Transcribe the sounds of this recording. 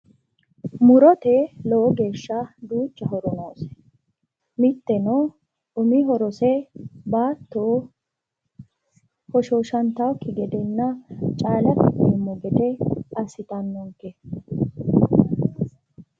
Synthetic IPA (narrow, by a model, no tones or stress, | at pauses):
mʊɾɔt̪ɛlowɔɡe̞ːʃːɐd̪uːt͡ʃːɐɦɔɾɔnoːsɛ̥ | mɪt̪ːɛnɔ | ʊmiɦɔɾɔsɛbaːt̪ːo | hɔʃoʃɐnt̪ɐwkːɪɡɛd̪ɛnːɐt͡ʃʼaːlɐt̪ːɪd̪eːmːʊɡɛd̪ɛɐsɪt̪ɐnːɔŋkɛ